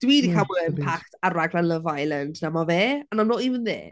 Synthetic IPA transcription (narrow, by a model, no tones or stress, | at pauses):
d̥wiːdikʰabɔlɛmpʰaχtʰaraɡlanləvajlˠəndnamɔveːanamnoːivənðḛː